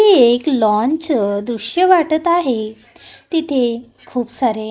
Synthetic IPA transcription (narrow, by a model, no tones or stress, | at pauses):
ieklɔ̃ɲt͡ɕd̪ɾuɕjəʋaʈət̪aɦe | t̪it̪ʰe | kʰuːpsaɾe